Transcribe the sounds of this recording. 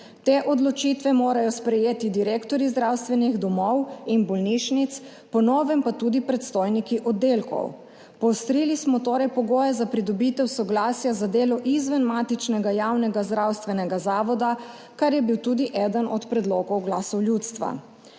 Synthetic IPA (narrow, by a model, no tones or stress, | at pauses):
t̪eːʔɔd̪lɔt͡ʃit̪ʋɛmoːɾajɔspɾɛjeːt̪id̪iɾeːkt̪ɔɾizd̪ɾawst̪ʋɛniɣd̪ɔmɔwinbɔlniʃnit̪s | pɔnɔːʋɛmpat̪uːd̪ipɾɛt̪st̪oːjnikiʔɔd̪ːeːlkɔ̰w | pɔwst̪ɾiːlismɔt̪oːɾɛjpɔɡoːjɛzapɾid̪ɔbit̪ɛwsɔɡlaːsjazad̪eːlɔʔizʋənmaːt̪it͡ʃnɛɡajaːwnɛɡazd̪ɾawst̪ʋɛnɛɡazaːʋɔd̪a | kaɾjɛbiwt̪uːd̪iʔɛd̪ənʔɔt̪pɾɛd̪loːɡɔwɡlaːsɔwljut̪st̪ʋa̰